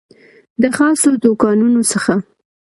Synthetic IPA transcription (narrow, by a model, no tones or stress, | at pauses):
d̪əxɑsod̪okɑnunosəxa